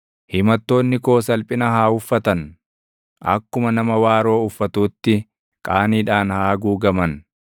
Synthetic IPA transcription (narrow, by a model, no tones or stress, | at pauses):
hɪmɐt̪ːo̞ːnːɪko̞ːsɐlpʼɪnɐhaːʊfːɐt̪ɐn | ɐ̰kːʊmɐnɐmɐwaːɾo̞ːʊfːɐt̪uːt̪ːɪ | kʼaːniːᶑaːnhaːɡuːɡɐmɐn